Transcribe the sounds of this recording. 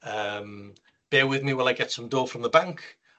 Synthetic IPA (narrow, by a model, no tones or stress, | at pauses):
əːm | b̥eːwɪðmiwɛlˠajɡɛtsə̃mdoːfrə̃mðəbãŋkʰ